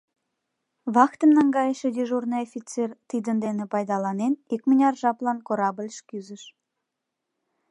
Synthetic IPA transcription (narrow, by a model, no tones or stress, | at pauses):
βɑkt̪əmnɑŋɡɑjəʃed̪ʲiʒurnəjofʲit͡sert̪id̪ənd̪enepɑjd̪ɑlɑnenikmənʲɑrʒɑplɑnkoɾɑbəlʲʃkyzəʃ